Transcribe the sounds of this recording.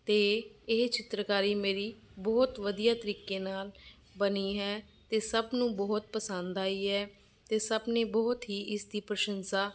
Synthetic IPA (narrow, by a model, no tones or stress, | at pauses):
t̪eːɪt͡ʃɪt̪ɾəkaːɾiːmeːɾiːbɔːt̪ʋəd̪ijaːt̪əɾiːkeːnaːl | bəniːɦɛː | t̪eːsəbnũːbɔːt̪̚pəsə̃nd̪aːiːɦɛː | t̪eːsəbneːbɔːt̪ɦiːʔɪsd̪iːpɾəʃənsaː